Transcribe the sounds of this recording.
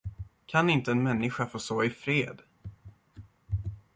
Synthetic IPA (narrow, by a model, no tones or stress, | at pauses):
kʰanɪnt̪əɛnmɛnːɪɧafoːsoːɪfɾeːd̪